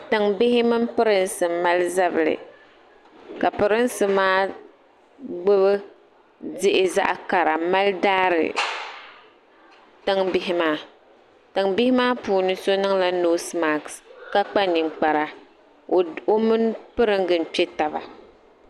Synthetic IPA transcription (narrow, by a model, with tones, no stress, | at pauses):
tɨ˨ŋbɪ˦hɪ˦mɨ˦m˦pɨ˦ɾɨ˦nsɨ˨mːa˦lza˦bɨ˨lɨ̰˨ | ka˨pɨ˨ɾɨ˦n˦sɨ˨maː˦ | ɡ͡bɨ˦βɨ˦ | dɪ˦ʔɪ˨za̰˦ʔka˨ɾa˨ma˦ldaː˦ɾɨ̰˨ | tɨ˦ŋbɪ˦ɦɪ˦maː˦ | tɨ˨ŋbɪ˦hɪ˦maː˦puː˨nɨ˦so˦nɨ˦ŋla˦noː˦sma˨kska˦k͡pa˦ni˨ŋ͡mk͡pa˨ɾa˨ | o˦mɨ˦npɨ˦ɾɨ˦ŋɡɨ˨n˨pɛ˦ta˨ba̰˨